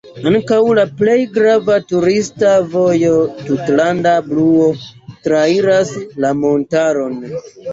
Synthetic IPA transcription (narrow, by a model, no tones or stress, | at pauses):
aŋkawlaple̞jɡɾavatuɾistavo̞jo̞tutlandabluo̞tɾaiɾaslamo̞ntaɾo̞n